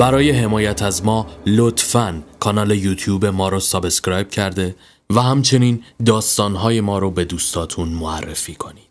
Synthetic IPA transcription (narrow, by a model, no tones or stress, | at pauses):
b̥æɾɒːje̞ɦe̞mɒːjæt̪ʰæzmɒːlot̪ʰfænkʰɒnɒːle̞juːt̪ʰjuːbe̞mɒːɾosɒbeskɾɒːjb̥cʰæɾd̪e̞ | væɦæmt͡ʃʰe̞niːnd̪ɒːst̪ɒːnɦɒːje̞mɒːɾobe̞d̪uːst̪ʰɒːt̪ʰunmoærːe̞fiːkʰo̞niːd̥̪